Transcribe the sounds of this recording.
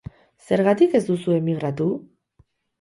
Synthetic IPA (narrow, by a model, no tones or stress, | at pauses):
se̞ɾɣat̪ike̞zd̪usue̞miɣɾat̪u